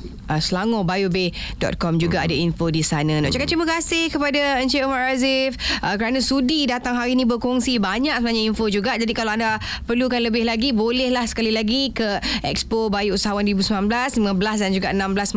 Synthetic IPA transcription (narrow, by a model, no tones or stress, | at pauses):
ʔəsəlaŋɔbajube | dɔ̰t̪̚kɔmd͡ʒuɡaadainfodisanãnɔ̰ʔt͡ʃakat̚t͡ʃiməkasɪhkəpadaəɲt͡ʃeomaɾazɪfʔəkəɾanãsudidat̪aŋɦaɾinĩbərkɔŋsibaɲaʔ̚səbənaɲainfod͡ʒuɡaʔd͡ʒadikalawanda | pərlukanləbɪhlaɡibolɛhlahsə̥kalilaɡikəʔɛ̰kspobajuusaɦawandəɾibusəmbnanblaslimãbəlasdand͡ʒuɡaʔənãmbəlas